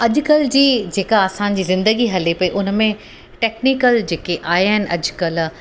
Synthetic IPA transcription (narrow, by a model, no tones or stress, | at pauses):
ɐʄʊkəld͡ʑiːd͡ʑeːkaɐsãɲ̆d͡ʑiːzɪ̃nd̪əɡiɦɐlepɐiʔʊnmẽ | ʈeːkniːkəld͡ʑeːkeʔaːɦiaːɦɪnɪ̆ʔɐd͡ʑkɐl